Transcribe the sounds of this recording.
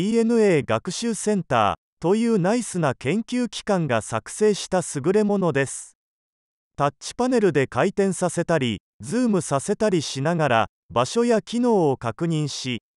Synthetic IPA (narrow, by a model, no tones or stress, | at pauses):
iːe̞nɯ̟e̞ːɡakɯ̟̥ɕɨːsẽ̞nt̪a̰ː | t̪o̞jɯ̟ːnaisɨnakẽ̞ŋkʲɨːkʲi̥kãŋɡasakɯ̟̥se̞ːɕi̥t̪asɨɡɯ̟ɾe̞mo̞no̞d̪e̞sɨ̥ | t̪at͡ɕɕi̥pane̞ɾɯ̟d̪e̞kait̪ẽ̞ɰ̃sase̞t̪aɾʲi | d͡zɨːmɯ̟sase̞t̪aɾʲiɕinaɡaɾa̰ | baɕo̞jakʲino̞ːokakɯ̟ɲ̟ĩɰ̃ɕi